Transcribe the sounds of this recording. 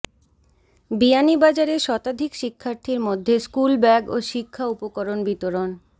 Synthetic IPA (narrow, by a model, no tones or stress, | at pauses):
bianibad͡ʑaɾeʃɔt̪ad̪ʱikʃikʰːaɾt̪ʰiɾmod̪ʱːeskulbɛɡoʃikʰːaupokoɾonbit̪oɾon